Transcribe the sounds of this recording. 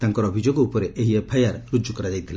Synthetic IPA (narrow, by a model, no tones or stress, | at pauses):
t̪aŋkɔɾɔbʱid͡ʒoɡɔupɔɾeʔeɦiepʰajaɾɾud͡ʒukɔɾad͡ʒajt̪ʰila